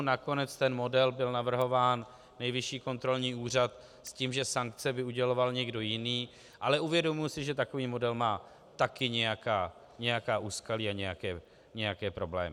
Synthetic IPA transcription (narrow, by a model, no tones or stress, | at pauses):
nako̞nɛt͡st̪ɛnmo̞dɛlbɪlnavr̩ɦo̞vaːnː | ɛjvɪʃiːko̞nt̪ɾo̞lɲiːuːr̝at̪ | sciːmʒɛsaŋk̚t͡sɛbɪuɟɛlo̞valɲɛɡdo̞jɪniː | ʔalɛʔuvjɛdo̞mʊjsɪʒɛt̪ako̞viːmo̞dɛlmaː | t̪akɪɲɛjakaː | ɲɛjakaːʔuskaliːaɲɛjakɛː | ɲɛjakɛːpɾo̞blɛ̰ːmɪ